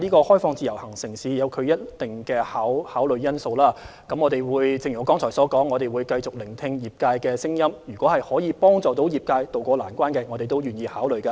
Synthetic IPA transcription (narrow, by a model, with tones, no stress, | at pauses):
liː˥kɔː˧hɔː˥jfɔː˧ŋt͡siː˨˩jɐ˨˩whɐ˨˩ŋsɪ˨˩ŋsiː˨˧jɐ˨˧wkʰɵ˨˧ɥjɐ˥t̚t̪ɪ˨˩ŋkɛː˧haː˨˥whaː˨˥wlɵ˨ɥjɐ˥nso˧wlaː˥ | kɐ˨˥mŋɔː˨˧t̪e˨jwuː˨˧jt͡sɪ˨˧ŋjy˨˩˨kɔ˥ŋt͡sʰɔː˨˩jsɔː˨˥kɔː˨˥ŋːɔː˨˧ɾe˨jwuː˨˧jkɐ˧jt͡sʊ˨k̚lɪ˨˩ŋt̪ʰɪ˧ŋjiː˨˩p̚kaː˧jkɛː˧sɪ˥ŋjɐ˥mjyː˨˩kʷɔː˨˥hɐ˨jhɔː˨˥jiː˨˧pɔː˥ŋt͡sɔː˨˩t̪o˨˥wjiː˨˩p̚kaː˧jt̪o˨wkʷɔː˧la̰ː˨˩nkʷaː˥nkɛː˧ŋɔː˨˧t̪e˨jt̪o˥wjyː˨njiː˧haː˨˥wlɵ˨ɥkaː˧